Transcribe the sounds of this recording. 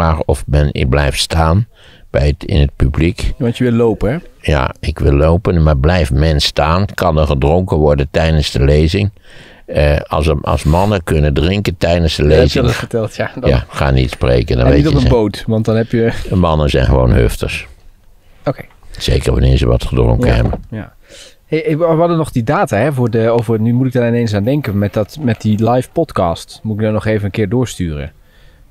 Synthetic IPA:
aːχɔfmɛnɪblɛjftstaːn | b̥ɛjətɪ̰nɦət̚pyblikʋɑntjəʋɪlˠowpəɛja̰ɪkʋɪlˠːowpənmaːɹblɛjfmɛnstaːnkɑnəχədrɔŋkəʋɔɹdəntɛjdənzdəlejzɪŋ | ɑɑ̰lˠsmɑnəkɵnəndrɪŋkəntɛjdənsdəlezfətɛlˠtjadjaχa̰ːnitsprḛjkəndɑ̰nʋejtpəbowtʋɑntdɑnɦɛpjəmɑnəzɛjnχəʋo̰wnɦø̰ftə̰s | okejsejkəɹʋɑ̰nɪ̰ːɹzə̰ʋɑ̰tχədɔ̰l̰ŋkɛ̰bəja̰ | ɦejʋʋɔdənɔχdidaːtaːɦɛvʊːɹdəowvərnymutɪɡ̚danɪnejns̬aːndɛŋkənmɛtdɑtmɛt̚dilajfpɔtkɑːstmutɪɡ̚dɔnɔχejvənənkɪːɹdʊːɹstyːrə̰n

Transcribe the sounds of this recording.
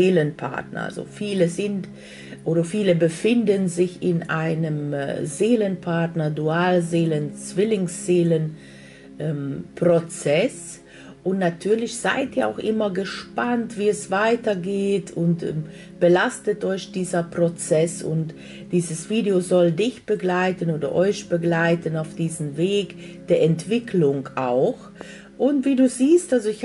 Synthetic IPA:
eːlənpʰa̰ɐt̚nɐ̰a̰lzo̰fiːləzɪnt | ʔoːɾɐfiːləbəfɪndənzɪçɪnʔaɪnəm̰zeːlənpʰaɐtnɐduaːlzeːlənt͡sv̥ɪlɪŋsz̥eːlən | ʔɛmpʁ̥ot͡sɛs | ʔʊntnatʰyːɐlɪçz̥a̰ɪtiːɐa̰ʊxʔɪmɐɡəʃpantv̥iːɛsv̥aɪtɐɡeːtʰʊntɛm | b̥əlastətʔɔʏçd̥iːzɐpʁ̥ot͡sɛsʊ̰nt | d̥iːzəsv̥iːdeozɔldɪçb̥əɡlaɪtənoːdɐʔɔʏçb̥əɡlaɪtənaʊfd̥iːzən̩veːk | d̥eːɐʔɛntv̥ɪkʰlʊŋʔa̰ʊx | ʔʊntv̥iːduːziːstʔalzoɪç

